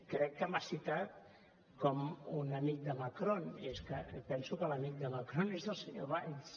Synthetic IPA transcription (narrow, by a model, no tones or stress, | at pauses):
kɾɛkːəmasit̪at̪̚ | kɔmunəmik̚d̪əmakɾoneskəpɛnsukələmik̪̚d̪əmakɾonezðəlˠsəɲo̰βajs